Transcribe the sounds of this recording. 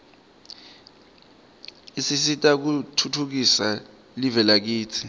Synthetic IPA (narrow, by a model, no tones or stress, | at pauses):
isisitʼak̬utʰutʰuk̬isa | livɛlak̬iːt͡sʰi̥